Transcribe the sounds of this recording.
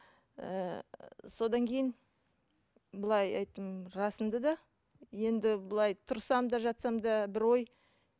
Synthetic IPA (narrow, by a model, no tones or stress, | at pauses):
ə̰ | so̞d̪ɑŋkʲʰe̞jɪn | bəlˠɑjɑ̰jt̪ːəmɾɑsənd̪əd̪ɑ | je̞nd̪ɪbəlˠɑjt̪ʰʊɾsɑmd̪ɑʒɑt̪sɑmd̪ɑbɪɾwo̞j